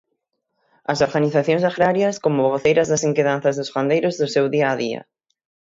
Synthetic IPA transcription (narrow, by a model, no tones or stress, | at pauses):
ɐsoɾɣaniθaθjõŋsaɣɾaɾjɐskomoβɣoθejɾɐzðɐseŋkeðan̟θɐzðʊsʁand̪ejɾʊzðʊsewðiɐːðiɐ̰